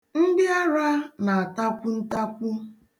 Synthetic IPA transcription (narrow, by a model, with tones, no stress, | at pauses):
n̩˦dɪ˦a˦ɾa˦na˨a˨ta˦kʷʊ˦n̩˦ta˦kʷʊ˦